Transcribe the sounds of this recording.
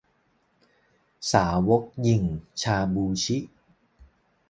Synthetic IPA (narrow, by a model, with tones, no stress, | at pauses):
saː˩˦wo˦˥k̚ji˨˩ŋt͡ɕʰaː˧buː˧t͡ɕʰi˦˥ʔ